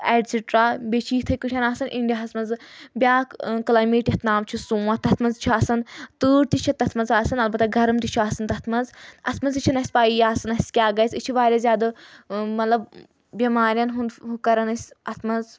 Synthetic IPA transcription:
ɛːɖsiʈɾaːbet͡ʃʰiːt̪ʰɐkɨʈʰʲɐnaːsɨnʔiɳɖʲiaɦɐsmɐnzbʲaːkɐlamiːʈʲɐt̪naːmt͡ʃʰisuːmat̪ɐt̪ʰmɐnzt͡ʃʰiaːsɐnt̪ɨːɾt̪it͡ʃʰit̪ɐt̪ʰmɐnzaːsɐnɐlbɐt̪ːɐɡʱɐɾɐmt̪it͡ʃʰiaːsɐnt̪ɐt̪ʰmɐnzɐ̰t̪ʰmɐnzit͡ʃʰinɐsʲpaːijaːsɨnɐsʲkʲaːɡɐjzit͡ʃʰiʋaːɾʲaːzʲaːd̪ɨmɐt̪lɐb | bʲɐmaːɾjɐnɦund̪ɦukɐɾɐnɐsʲɐt̪ʰmɐnz

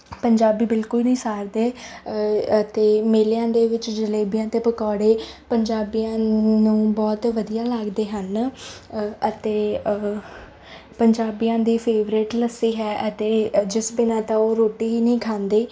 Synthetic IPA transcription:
pəɲd͡ʒaːbiːbɪlkʊiːnəĩːsaːɾd̪eː | ət̪eːmeːleãːd̪eːʋɪt͡ʃd͡ʒəleːbijãːt̪eːpəkɔːɽeːpəɲd͡ʒaːbijãːnũːbɔːt̪ʋəd̪ijaːlaːɡd̪eːɦən | ət̪eː | pəɲd͡ʒaːbijãːd̪iːpʰeːʋɾɪʈləsiːɦɛːʔət̪eːd͡ʒɪsbɪnãːt̪ãːoːɾoːʈiːɦiːnĩːkʰãːnd̪eː

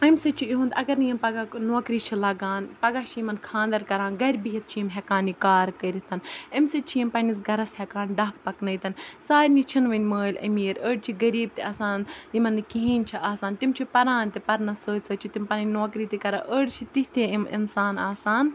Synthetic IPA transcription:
ɐmʲsɐt͡ʃʰijiɦũnd̪ɐɡɐɾnɨjɐmpɐɡanoːkɾiːt͡ʃʰilɐɡaːnpɐɡaːt͡ʃʰijimɐnkʰãːnd̪ɐɾkɐɾaːnɡɐɾʲbiɦit̪̚t͡ʃʰijimɦɛkaːnːikaːɾkɐɾʲit̪ʰɐnɐmsɐt͡ʃʰijimpɐnʲis̬ɡɐɾɐshɛkaːnɖɐːk̚pɐknɐjt̪ɐnsaːɾʲnit͡ʃʰinʋɐnʲməːlʲɐ̰miːɾəːɖt͡ʃʰiɡɐɾiːb̚t̪iʔɐsaːnimɐnɨkiɦĩːnʲt͡ʃʰiʔaːsaːnt̪imt͡ʃʰipɐɾãːnt̪ipɐɾnɐsəːsəːt͡ʃʰit̪impɐnɐnʲnoːkɾiːt̪ikɐɾaʔəːɖt͡ʃʰit̪iht̪eimɪ̰nsaːnaːsaːn

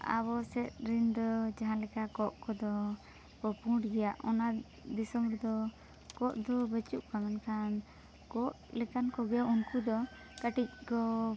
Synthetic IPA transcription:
a̰βɔsɛt̪̚ɾind̪ɔd͡ʒaɦãlɛkakɔʔkɔd̪ɔ | pɔpuʈɡɛjaʔɔna | d̪isɔmbɾɔd̪ɔ | kɔʔd̪ɔbət͡ʃuʔkamankʰan | kɔʔ | lɛkankɔɡɛjaʔunkud̪ɔ | kaʈic̚kɔ

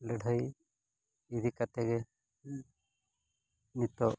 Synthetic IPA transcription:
ləɖʱəj | iɾikat̪ɛɡɛ | nit̪ɔʔ

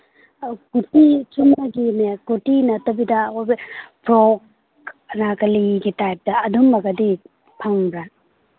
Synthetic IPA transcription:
kutisʰumnɐɡimeɡutinɐtɐbidaobipɾok | nakɐliɡitajp̚dɐːdumbɐɡɐdi | pʰaŋbɾa

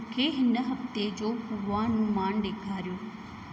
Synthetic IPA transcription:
kʰeɦɪnəɦɐft̪ed͡ʑoːhʊʋaːnũmaːɳɖekʰaːɾjũː

